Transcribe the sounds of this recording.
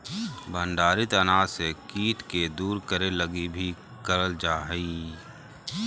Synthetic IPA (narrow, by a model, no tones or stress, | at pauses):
bʱə̃ɳɖaːɾit̪ənaːsekiːt̪ked̪uːɾkəɾeləɡibʱi | kəɾəld͡ʒaːɦiː